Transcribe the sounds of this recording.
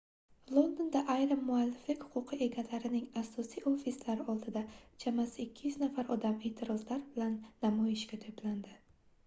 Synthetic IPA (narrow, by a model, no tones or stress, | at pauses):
lˠo̞nd̪ond̪aʔajɾɪmːʊalːɪflɪkʲhʊ̥qʰʊqʰɨʔe̞ɡʲalaɾɪnɪŋasːɒsijofislaɾɪɒlˠd̪ɪd̪at͡ʃʰamasɪkʲʰːɪjyznafaɾɒd̪ame̞ːt̪ʰɪɾɒzlaɾbɪlanːamɒjɪʃɡʲat̪ʰopland̪ɪ